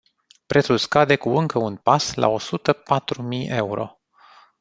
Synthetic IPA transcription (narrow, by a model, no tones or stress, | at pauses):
pɾe̞t̪sulskad̪e̞kuɨŋkəunpasla̰o̞sut̪əpat̪ɾumije̞uɾo̞̰